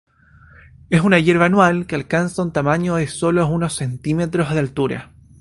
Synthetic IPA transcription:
esunaʝeɾβanwalkealkansaunt̪amaɲoðeso̞louno̞sːe̞nt̪imet̪ɾozðealt̪uɾa̰

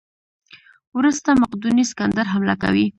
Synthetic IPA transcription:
wɾust̪amaqd̪uniskand̪aɾɦamlaka̰wi

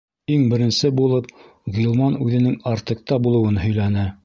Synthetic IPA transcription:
iŋbɘ̆ɾɘ̆nsɘbulˠɤp̚ | ɣʲilˠmɑnʉðɘ̆nɘŋɑɾt̪ɤ̆k̚t̪ɑbulˠɤ̆wɤnɦɵ̆jlænɘ

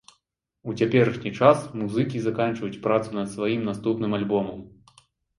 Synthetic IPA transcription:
ut͡sʲapʲɛɾɨʂnʲit͡ʂasmuzɨkʲizakanʲt͡ʂvɐjut͡sʲpɾat̪sunɐd̪svajimnast̪upnɨmalʲbɔmɐm

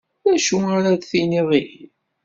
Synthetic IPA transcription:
ðæʃuaɾad̪θiniðˤil

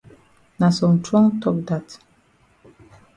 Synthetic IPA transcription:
nasɔ̃mtʰɹɔ̃ŋtʰɔk̚dat

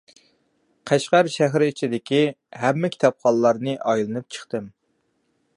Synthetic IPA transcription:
qʰæʃqæɾʃæɦɾɪit͡ʃʰid̪ɪkʲi | hɛmːɪkʲʰt̪ʰɑp̚χɑllːˠɑɾnɨʔɑjlˠɨnɨp̚t͡ʃʰə̥χt̪ɨm

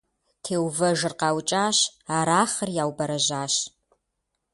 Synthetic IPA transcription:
tʰeːwvɐʒɨrqaːwt͡ʃʼaːɕaːɾaːχərjaːwbɐɾɐʒaːʃ

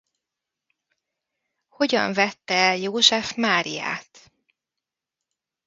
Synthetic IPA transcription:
ho̞ɟɒ̰ɱvɛt̪ːɛɛljoːʒɛfmaːɾḭja̰ːt̪

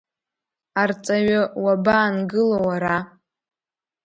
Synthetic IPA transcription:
art͡sʼaɥawabaːnɡɨlowaɾa

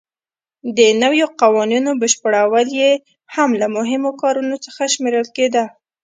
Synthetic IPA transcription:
d̪ənawjoqawɑninobəʃpəɽawəlje | hamlamʊɦɪmokɑɾunot͡səxaʃmeɾəlked̪a

